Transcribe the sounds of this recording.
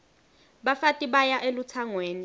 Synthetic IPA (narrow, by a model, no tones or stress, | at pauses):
ɓafatʼiɓajaʔelut͡sʰaŋweːni